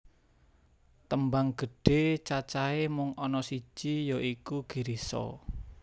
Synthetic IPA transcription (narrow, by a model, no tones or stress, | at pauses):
t̪əmbaŋɡ̥ə̤ɖ̥e̤t͡ʃat͡ʃaemʊŋɔnɔsi̥ʒ̥ijoikuɡ̥i̤ɾisɔ̰